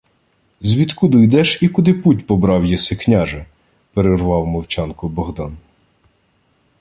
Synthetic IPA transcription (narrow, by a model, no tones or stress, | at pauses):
zʲʋʲit̪kud̪ɔjd̪ɛʃikʊd̪ɪputʲpɔbɾɑwjɛsɪknʲaʒɐ | peɾerʋɑwmɔwt͡ʃɑnkʊbɔɦd̪ɑn